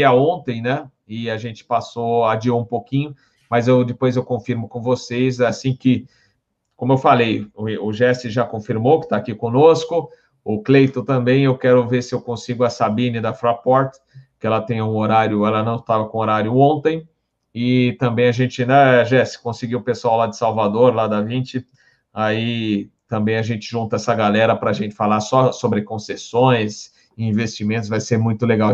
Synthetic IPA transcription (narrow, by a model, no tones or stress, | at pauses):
ɐõnt̪ẽj̃nɛ | ɪaʒẽnt͡ʃɪ̥pasowaad͡ʒioũpokĩɲʊ | mɐzewd̪ɪpojzewkõfiɾmʊkõvosejsasĩkɪ | kõmʊewfalejʊʒɛsɪʒakõfiɾmowkɪ̥t̪aːkikõnoskʊ | ʊklejt̪õt̪ɐ̃mbẽj̃ewkɛɾʊveɾsɪewkõsiɡʊɐsabĩnɪd̪ɐfɾapɔɾt̪ | kɪɛlɐt̪ẽj̃ɐũoɾaɾjʊɛlɐnɐ̃w̃t̪avɐkõoɾaɾjʊõnt̪ẽj̃ | ɪt̪ɐ̃mbẽj̃ɐʒẽnt͡ʃɪĩnd̪ɐɛʒɛsɪ̥kõsɪɡiwʊpesʊawlad͡ʒɪsawvad̪oɾlad̪ɐvĩt͡ʃɪ | ait̪ɐ̃mbẽj̃ɐʒẽnt͡ʃɪʒũnt̪ɐɛsɐɡalɛɾɐpɾɐːʒẽnt͡ʃɪ̥falaɾsɔsobɾɪkõsesõj̃s | ĩvest͡ʃimẽnt̪ʊszvajseɾmũj̃t̪ʊleɡaw